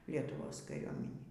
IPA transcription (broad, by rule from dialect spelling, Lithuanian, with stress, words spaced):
lʲiɛtʊˈʋoːs kɐˈrʲuɔmʲɪnʲiː